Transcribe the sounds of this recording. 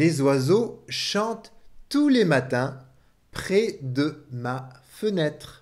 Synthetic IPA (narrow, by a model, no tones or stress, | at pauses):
lezwazoʃɑ̃t̪ːulemat̪ɛ̃ | pχɛd̪əma | fənɛt̪χ